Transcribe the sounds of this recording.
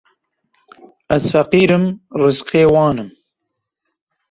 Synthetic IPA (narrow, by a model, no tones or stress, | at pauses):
azfɐqiːɾɨmɾɨzqeːwɑːnɨm